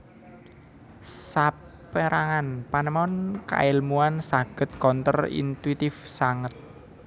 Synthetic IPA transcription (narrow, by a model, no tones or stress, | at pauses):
sa | pəɾʔaŋanpanəmɔnka̰ɪlmuansaɡ̥ə̤t̪̚kɔnt̪ərḭnt̪wit̪ɪfsaŋət̪̚